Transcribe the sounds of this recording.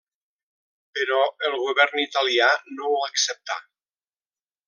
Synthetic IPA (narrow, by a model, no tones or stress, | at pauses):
pəɾɔəlˠɣuβɛɾnit̪alianoəksəp̚t̪a̰